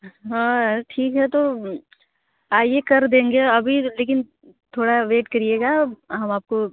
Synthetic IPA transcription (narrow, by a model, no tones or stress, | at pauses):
ɦãːʈʰiːkɦɛt̪o | aːjekɐɾd̪ẽːŋɡeɐbʱileːkɪn | t̪ʰoːɽaʋeːʈkɐɾieːɡaɦɐmaːp̚ko